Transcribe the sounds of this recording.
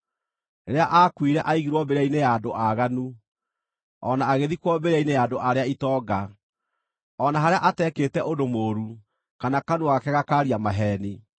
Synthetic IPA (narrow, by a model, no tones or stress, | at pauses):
neɾeaʔakwiɾɛʔaiɣiɾwɔbeɾeaineadoʔaɣanu | ɔnaːɣeðikwɔbeɾainejaːdoʔaɾeaitɔːɡa | ɔnaɦaɾeaʔatɛkeːtɛʔodomoːɾu | kanakanuakɛɣakaɾiamaɦɛːni